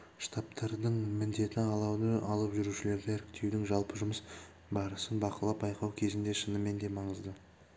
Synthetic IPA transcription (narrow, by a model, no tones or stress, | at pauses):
ʃt̪ʰɑpt̪ʰɑɾd̪əɴmɪnd̪e̞t̪ɪɑlˠɑwd̪əʔɑlˠəpʒʏɾuʃɪle̞ɾd̪ɪæɾɪk̚t̪ʰe̞wd̪ɪŋʒɑlˠpəʒʊməs | bɑɾəsənbɑqəlˠɑp̚bɑjqɑwkʲʰe̞zɪnd̪e̞ʃənəme̞nd̪e̞mɑɴəzd̪ə